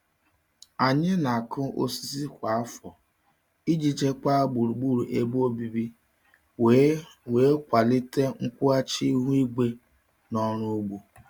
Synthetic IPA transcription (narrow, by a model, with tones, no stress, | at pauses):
a˨ɲɪ˦na˨a˨kʊ˦o̰˦si˨zi˦kʷa˨a˦fɔ˨ | i˦d͡ʒi˨t͡ʃe˦ka˦ɡ͡bu˨ɾu˨ɡ͡bu˦ɾu˨ʔe˦bo˦bi˨bi˦ | weː˨˦kʷa˨lɪ˦te˦ŋ̩˦kʷʊ˦a˦t͡ʃi˦ɦu˦i˦ɡ͡be˦ | nɔ˦ɾ̃ʊ˦u˦ɡ͡bu˨